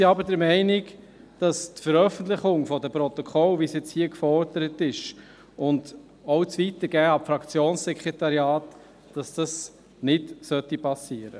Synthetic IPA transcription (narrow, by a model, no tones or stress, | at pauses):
siɑbəɾdəɾmɛɪnɪk | d̥ɑstfəɾœfən̩tlɪχʊŋfɔdəpɾɔtɔkʰɔlʋisjɛt͡shiːəkfɔɾd̥əɾətɪʃ | ʊnd | ɔʊt͡sʋitəɾɡ̥æːɑmfɾɑkt͡sjoːnssɛkɾetɑɾjɑːt | d̥ɑsd̥ɑs | nɪtsœtːipʰɑsiːəɾə̰